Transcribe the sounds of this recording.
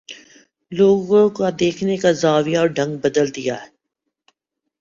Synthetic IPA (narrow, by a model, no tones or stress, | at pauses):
loːɡõkad̪eːkʰnekazaːʋijaɔːɾɖʱɐ̃ŋɡ̚bɐd̪əld̪ija̰ɦɛ